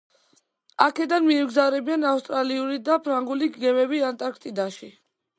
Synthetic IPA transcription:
akʰɛd̪anmiɛmɡzavɾɛbianafst̪ʼɾaliuɾid̪apʰɾaŋɡuliɡɡɛmɛbiant̪ʼaɾkʰt̪ʼid̪aʃi

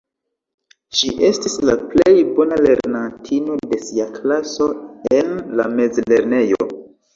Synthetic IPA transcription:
ʃiʔe̞stislaple̞jbo̞nale̞ɾnantʰino̞de̞siaklaso̞e̞nlame̞zle̞ɾne̞jo̞̰

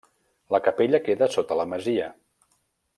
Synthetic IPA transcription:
ləkəpeʎəkeðəsot̪ələməziə

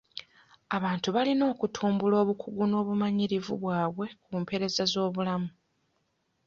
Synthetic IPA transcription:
aβaːntuβalino̞ːkutʰuːmbulo̞ːβukʰuɡuno̞ːβumaɲiɾivṵβwaːβwe̞kumpe̞ɾe̞zazo̞ːβulamu

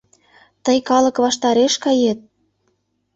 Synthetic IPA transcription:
t̪əjkɑlɤ̆kβɑʃt̪ɑɾeʃkɑjet̪̚

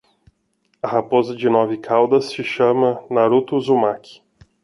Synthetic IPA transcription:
ɐhapozɐd͡ʒɪnɔvɪkʰawd̪ɐsːɪʃɐ̃mɐnaɾut̪ʊzumakʰɪ̥

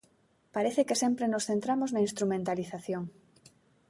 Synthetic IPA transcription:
paɾeθekesempɾenosθent̪ɾamoznainst̪ɾumẽnt̪aliθaθjoŋ

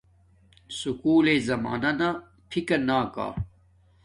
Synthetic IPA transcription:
sukuːlezɐma̰ːnɐna | pʰikɐnaːka̰ː

